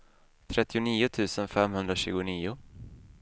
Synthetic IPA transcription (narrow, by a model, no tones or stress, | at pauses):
t̪ʰɾɛt̪ːɪʊniːʊt̪ʰʉ̟ːsənfɛmɦɵnd̪ɾaɕʉ̟ːɡʊniːʊ